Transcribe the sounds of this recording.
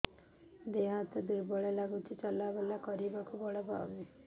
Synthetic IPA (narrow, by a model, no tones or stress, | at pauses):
d̪eɦat̪ɔd̪uɾbɔɭelaɡut͡ʃʰit͡ʃɔlabelakɔɾibakubɔɭɔba̰wni